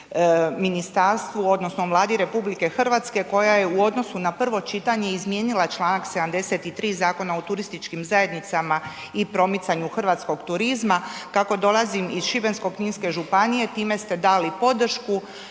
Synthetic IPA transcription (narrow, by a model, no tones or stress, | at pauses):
minist̪aːɾst̪ʋuo̞d̪nosno̞mlˠaːd̪iɾe̞publike̞xr̩ʋaːt̪ske̞ko̞jaje̞uo̞d̪no̞sunapr̩ʋo̞t͡ʃit̪aɲe̞izmje̞ːnilˠat͡ʃlˠaːnaksed̪amd̪e̞se̞t̪it̪ɾiːzaːko̞naot̪uɾist̪it͡ʃkimzaje̞d̪nit̪sama | ipɾo̞mit̪saɲuxr̩ʋaːt̪sko̞ɡt̪uɾizmakako̞d̪o̞lˠazimiz̥ʃibe̞nsko̞kɲiːnske̞ʒupanije̞t̪iːme̞st̪e̞d̪alipo̞d̪r̩ʃku